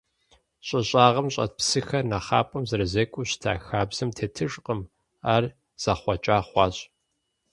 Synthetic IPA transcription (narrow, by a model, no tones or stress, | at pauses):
ɕʼɐɕʼaːʁɐmɕʼɐ̰t̚psɨxɐrnɐχa̰ːpʼɐmzɐrɨzɐkʷʼuɕtʰa̰ːxaːbz̥ɨmtʰetʰɨʂʼqʼəm | aːr | z̥ɐχʷɔt͡ʃʼaːχʷɑːɕʼ